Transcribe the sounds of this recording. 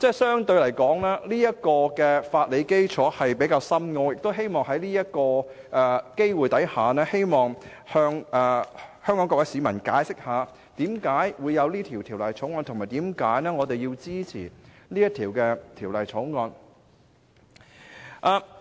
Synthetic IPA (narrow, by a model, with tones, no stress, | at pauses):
t͡sɛː˥˩sœː˥ŋt̪ɵ˧ɥlɐ˨˩jkɔː˨˥ŋlaː˥liː˥jɐ˥t̚kɔː˧kɛː˧faː˧t̚le˨˧jke˥jt͡sʰɔː˨˥hɐ˨jpe˨˥jkaː˧wsɐ˥mŋɔː˧jɪ˨k̚t̪o˥wɦe˥jmɔː˨ŋɦɐ˨˥jliː˥jɐ˥t̚kɔː˧ | ʔɛ˨ke˥jwuː˨˩jt̪ɐ˨˥jhaː˨nɛː˥he˥jmɔː˨˩ŋ | hœː˧ŋɛ˨hœː˥ŋkɔː˨˥ŋkɔː˧kwɐ˧˥siː˨˧mɐ˨˩nkaː˨˥jsɪ˥k̚haː˨˧ | t̪iː˨˥mkaː˨˥jwuː˨˧jːɐ˨˧wliː˥t̪ʰiː˨˩wt̪ʰiː˨˩wlɐ˨jt͡sʰo˨˥ŋɔː˧nt̪ʰmaː˨˩t̪iː˨˥mkaː˨˥jnɛː˥ŋɔː˨˧t̪e˨jiː˧wt͡siː˥t͡sʰḭː˨˩ | niː˥jɐ˥t̪ʰiː˨˩wkɛː˧t̪ʰiː˨˩wlɐ˨˩jt͡sʰɔː˨˥ŋɔː˧n | ʔaː˨˧